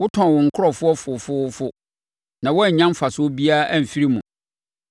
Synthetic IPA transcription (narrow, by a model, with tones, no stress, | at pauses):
wʊ˦tʰɔ̃˨wʊ̃˨ŋ̩˨kʰʊ˦ɾɔ˦˨fʊ˦ɔ˦fʊ˨fʊ˦ʊ˦fʊ˦ | nã˨wɔ˦˨ɲã˦m˦fa˨sʊ˦bi˦a˦æ˦˨m̩˨fi˦ɾi˦mũ˨